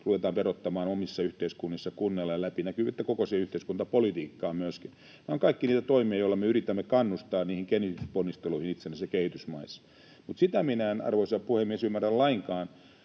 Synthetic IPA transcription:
ruʋet̪ɑːmperot̪ːɑmɑːnomisːɑyht̪eiskunːisːɑkunːelːelæpinækyːʋæet̪ːækokosieyht̪eiskunt̪ɑpolit̪iːkːɑːmyøskin | neoŋkɑikːiniːt̪æt̪oimiɑjoilːɑmeyrit̪æmːekɑnːust̪ɑːnniːhiŋkenisponːist̪eluihinit̪senːæsjekehit̪ysmɑisːɑ̥ | mut̪sit̪æminæenɑ̰rʋoisɑpuhemːiesymːærællɑiŋkɑːn

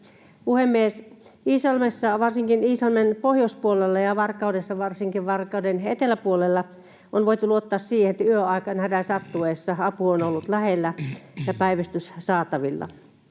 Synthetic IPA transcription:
puhemːiesiːsɑlmesːɑʋɑrsiŋkiniːsɑlmenpohjouspuolelːɑjɑʋɑrkːˑɑudesːɑʋɑrsiŋkiʋʋɑrkˑɑudenḛt̪elæpuolelːɑ | onʋoit̪uluot̪ːɑːssiːhenet̪æyøɑˑikɑnhædæsɑt̪ːueːsːɑɑpuonolːut̪læhelːæjɑpæiʋæst̪yssɑːt̪ɑʋilːɑ̰

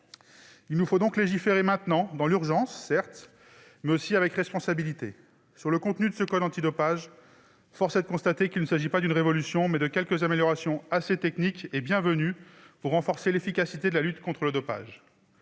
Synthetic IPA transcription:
ilnufod̪ɔ̃kleʒifeʁemɛ̃t̪nɑ̃d̪ɑ̃lyʁʒɑ̃sːɛʁt̪ | mɛosiavɛkʁɛspɔ̃sabilit̪e | syʁləkɔ̃t̪nyd̪əsəkɔd̪ɑ̃t̪id̪ɔpaʒ | fɔʁsɛd̪əkɔ̃st̪at̪ekilnəsaʒipad̪ynʁevɔlysjɔ̃mɛd̪əkʲɛlkəzameljɔʁasjɔ̃aset̪ɛknikebjɛ̃vəny | vuʁɑ̃fɔʁselefikʲasit̪ed̪əlalyt̪kɔ̃t̪χələd̪ɔpa̰ʒ

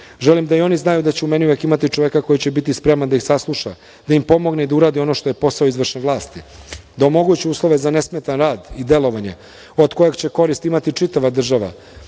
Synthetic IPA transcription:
ʒelimd̪aio̞niznajud̪at͡ɕeumeniuʋe̞kimat̪it͡ʂoʋekako̞jit͡ɕe̞bit̪ispɾemand̪aixsaslˠuʃa̰ | d̪̥aimpo̞mo̞ɡneid̪auɾaːd̪io̞no̞ʃt̪o̞jepo̞saoizʋr̩ʃneʋlˠaːst̪id̪aomo̞ɡut͡ɕeuːslˠo̞ʋe̞zane̞smet̪anɾaːd̪id̪e̞lo̞ʋaɲe̞̰ | od̪ko̞jeɡt͡ɕe̞ko̞ɾist̪imat̪it͡ʂit̪aʋad̪r̩ʒaʋa̰

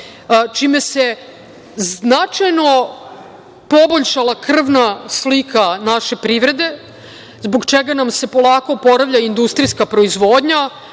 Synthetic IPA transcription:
t͡ʃime̞se̞ | znat͡ʃajno̞ | poboʎʃalˠakr̩ʋnaslikʰanaʃe̞pɾiʋɾe̞d̪e̞ | zboɡt͡ʃeɡanamse̞po̞lˠaːko̞po̞ɾaʋʎaind̪ust̪ɾiskapɾo̞izʋo̞ːd̪ɲa

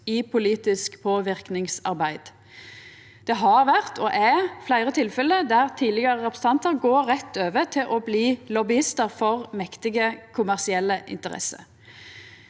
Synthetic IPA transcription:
iːpʰʊliːt̪ɪskpʰoːʋɪʁknɪŋsɑ̰ʁbæɪd̪̥ | d̪̥ɛɦɑʁʋæʁt̪ʰɔʔɛflæɪʁət̪ʰɪlfɛlːəd̪æʁt̪ʰiːlɪɡəʁəʁɛpɾəs̩t̪ɑnt̪əʁɡoːɾʁɛt̪ːøːʋət̪ʰɪlʔobliːlɔbɪɪst̪əʁfɔʁmɛkt̪ɪɡəkʰʊmæʁsɪɛlːəʔɪ̰nt̪əʁɛ̰sə̰

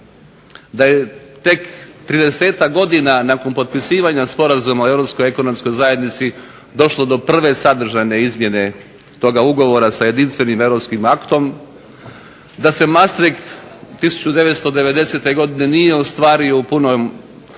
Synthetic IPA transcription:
d̪ajet̪e̞kt̪ɾid̪ese̞ːt̪akɡo̞d̪inanako̞npo̞t̪̚pisiːʋaɲaspo̞ɾazumaoe̞vɾo̞psko̞je̞ko̞no̞msko̞jzajed̪nit̪si | d̪o̞ʃlˠo̞d̪o̞pr̩ʋe̞sad̪r̩ʒajne̞izmjene̞ | t̪o̞ɡauɡo̞ʋo̞ɾasaje̞d̪inst̪ʋe̞nime̞ʋɾopskimakt̪o̞m | d̪ase̞mast̪ɾikt̪t̪ːisu̥t͡ɕud̪e̞ʋet̪st̪o̞d̪e̞ʋe̞d̪e̞se̞t̪e̞ɡo̞d̪ine̞nije̞ust̪ʋaːɾioupunom

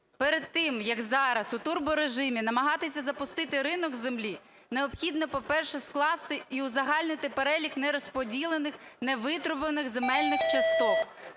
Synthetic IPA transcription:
peɾed̪̚t̪ːɪmjɐɡzɑɾɐsʊt̪urbʊɾeʒɪmʲinɐmɐɦɑt̪ɪs̬ʲɐzɐpʊst̪ɪt̪ɪɾɪnɔɡzemlʲi | neɔpxʲid̪nɔpɔpɛrʃɛsklˠɑst̪ɪiʊzɐɦɑlʲnɪt̪ɪpeɾɛlʲiknɛɾɔspɔdʲilˠenɪxneʋɪt̪ɾʊbenɪɣzemɛlʲnɪxt͡ʃɐst̪ɔk

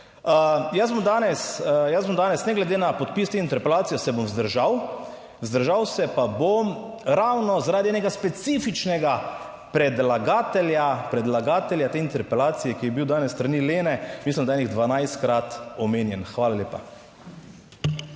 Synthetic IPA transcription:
jəzbɔmd̪aːnɛsjəzbomd̪aːnɛsnɛɡlɛd̪eːnapot̪̚piːst̪eint̪ɛɾpɛlaːt̪sijɔsɛbomzd̪əɾʒaw | zd̪əɾʒawsɛpabom | ɾawnɔzaɾaːd̪iɛːnɛɡaspɛt̪sifit͡ʃnɛɡa | pɾɛd̪laɡaːt̪ɛljapɾɛd̪laɡaːt̪ɛljat̪eːint̪ɛɾpɛlaːt̪sijɛkijɛbiwd̪aːnɛsːt̪ɾanileːnɛmislimd̪aɛːniɣd̪ʋanajst̪kɾat̪ɔmeːnjɛnxʋaːlaljeːpa

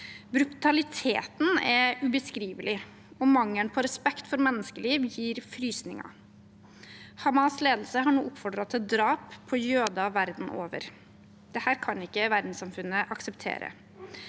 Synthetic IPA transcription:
bɾʉt̪ɑlɪt̪ʰḛːt̪n̩ɛɾʉbəskɾiːʋəlɪ | ɔmɑŋːəɳpʰɔɾɛspɛkt̪fɔɾmɛnːəskəliːʋjiːɾfɾyːsnɪ̰ŋɑ̰ | hɑmɑsleːd̪l̩səɦɑɳṵːɔpfɔɖɾɑt̪ʰɛd̪ɾɑːpʰːɔjøːd̪ɑʋæɾd̪n̩ʔoːʋə̰ɾ | d̪̥ɛhæːɾkʰɑnɪkːəʋæɾd̪n̩sɑmfʉnːəʔɑksɛpt̪ʰḛːɾə̰

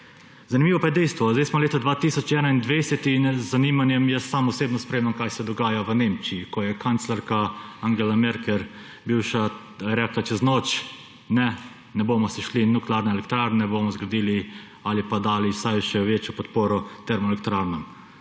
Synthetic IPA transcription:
zanimiʋɔpajɛd̪ɛjst̪ʋɔzd̪ɛjsmɔleːt̪ad̪ʋaːt̪iːsɔt͡ʃɛːnaind̪ʋejsɛt̪inɛzzaniːmanjɛmjɛsːaːmɔseːbnɔspɾeːmnamkajsɛd̪ɔɡaːjaʋəneːmt͡ʃiikɔjɛkant̪slaɾkaaŋɡɛlamɛɾkɛɾ | biwʃa | ɾɛːklat͡ʃɛznoːt͡ʃ | nɛ | nɛboːmɔsiʃlinːuklaːɾnɛɛlɛkt̪ɾaːɾnɛboːmɔzɡod̪iːli | alipad̪aːlisajʃɛʋeːt͡ʃjɔpɔt̪poːɾɔt̪ɛɾmɔɛlɛk̚t̪ɾaːɾnɔm

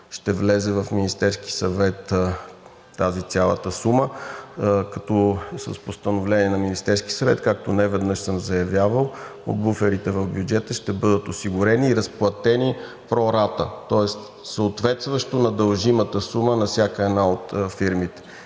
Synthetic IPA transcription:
ʃt̪ɛvlɛzɛvɐfminist̪ɛɾski̥sɐvɛt̪ | azit̪sʲjalˠə̰t̪əsumə | kɐt̪ɔsə̰spost̪ənovlɛniɛnɐminist̪ɛɾski̥sɐvɛt̪kak̚t̪onɛvɛd̪nɤʃsəmzɐjɐvʲjavəlˠo̰d̪̚bufɛɾit̪ɛvɐvbʲjud͡ʒɛt̪əʃt̪ɛbɤd̪ət̪osiɡʊɾɛniːɾəsplˠɐt̪ɛni | pɾɔɾat̪ə̰t̪ɔɛst̪ | səot̪vɛt̪st̪vɐʃt̪onɐd̪əlˠʒimət̪əsumənɐfsʲakəɛd̪naot̪fiɾmit̪ɛ̥

